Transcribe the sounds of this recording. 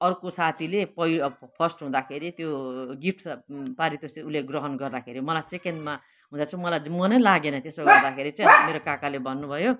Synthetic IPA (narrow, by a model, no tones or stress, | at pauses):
ʌɾukosat̪ʰilepʌipʰʌsʈɦũd̪akʰeɾit̪joɡiʈʰpaɾit̪osiuleɡrʌɦʌnɡʌrd̪akʰeɾimʌlajt͡sekendma | ɦũd̪at͡sʰʌ̃mʌlajmʌnʌjlaɡenʌt̪esoɡʌrd̪akʰeɾit͡sʌ̃jmeɾokakalebʱʌnːubʱʌjo